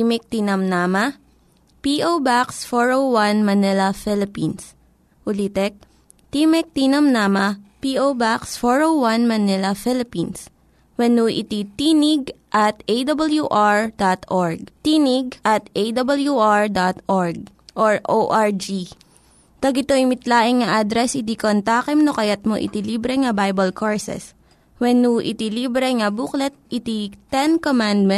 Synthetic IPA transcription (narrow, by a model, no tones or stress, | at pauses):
imɛk̚t̪inɐmnaːmɐ | piʔowbaksfoɹowwanmɐnɪlɐfɪlɪpins | ʔʊliːt̪ɛk̚ | t̪imɛk̚t̪inɐmnaːmɐpiʔowbaksfɔɹowwanmɐnɪlɐfɪlɪpins | wɛnuʔɪ̰t̪it̪inɪɡʔɐt̪ejd̪ɐbɐljuʔaɹd̪at̪ʔoɹɡ̚t̪inɪɡ̚ʔɐt̪ʔejd̪ɐbɐljuʔaɹd̪at̪ʔoɹɡ̚ | ʔoɹʔoʔaɹd͡ʒi | t̪ɐɡɪt̪oɪmɪt̪laːʔɪŋŋɐʔad̪ɾɛsɪt̪ikont̪aːkɛmnokɐjat̪̚mo̰ʔɪ̰t̪iliːbɾɛŋɐbajbɐlkʰoɹsɛ̰s | wɛnuʔɪ̰t̪iliːbɾɛŋɐbuklɛt̪̚ʔɪt̪it̪ɛnkomand̪̚mɛ